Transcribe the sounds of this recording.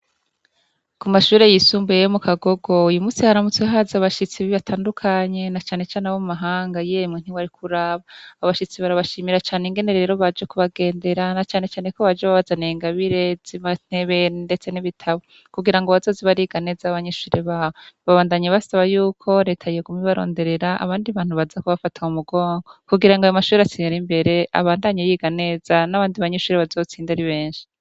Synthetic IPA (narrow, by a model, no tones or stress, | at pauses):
kumaʃuːɾe̞jisuːmbujejomukaɡo̞ɡo̞ujumuːsihaɾamut͡sweɦaːzaβaʃit͡siβiβatʰaːndukʰaɲe̞nat͡ʃaːne̞t͡ʃaːnewomumaɦaːŋɡajemŋen̥iwaɾikʰuɾaβaːβaʃit͡siβaɾaβaʃiːmiɾat͡ʃaːneŋɡe̞ne̞ɾe̞ːɾo̞βad͡ʒekuβaɡe̞ːnde̞ɾanat͡ʃaːne̞t͡ʃaːneko̞βad͡ʒeβaβazaneːŋɡaβiɾe̞ziβan̥e̞βe̞nde̞t͡seniβitʰaβo | kuɡiɾaŋɡoβazo̞ːziβaɾiɡane̞zaβaɲeʃuːɾeβaːβoβaβaːndaɲeβasaβajuːkʰo̞ɾe̞ːtʰajeɡumiβaɾo̞̰ːnde̞ɾe̞ɾaa̰βaːndiβaːn̥huβazakuβafatʰaumuɡo̞ːŋɡo̞kuɡiɾaŋɡajomaʃuːɾeat͡siːnaɾimbe̞ɾe̞a̰βaːndaɲejiɡane̞ːzanaβaːndiβaɲeʃuːɾeβazo̞t͡siːndaɾiβe̞ːɲʃi̥